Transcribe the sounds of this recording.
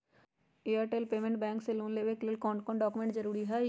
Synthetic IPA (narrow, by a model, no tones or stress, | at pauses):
eːəɾʈeːlpeːmẽɳʈbɛ̃ːŋkseloːnleːʋeklɪlkɔ̃ːɳʈkɔ̃ːɳɖɔːkumẽɳʈd͡ʒəɾuːɾiɦɛ